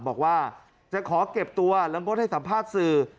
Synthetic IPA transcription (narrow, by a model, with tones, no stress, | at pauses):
bɔː˨˩k̚waː˥˩ | t͡ɕa˨˩kʰɔː˩˦ke˨˩p̚t̪u˧ɐla˧˦˥ŋo˧˥˩n̚ha˥˩sa˩˦mpʰaː˥˩t̪̚sɯː˧˩